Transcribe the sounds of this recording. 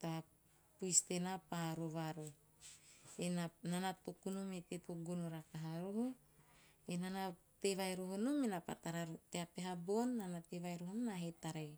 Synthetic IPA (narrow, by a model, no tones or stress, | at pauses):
t̪a | pujst̪enapaaɾuβaɾu | enananat̪okunumet̪et̪oɡunoɾakaɦaɾuɦu | enana | t̪eβajɾuɦunumenapa̰t̪aɾaɾut̪eapeɦabonːanat̪eβajɾuɦununaɦet̪aɾej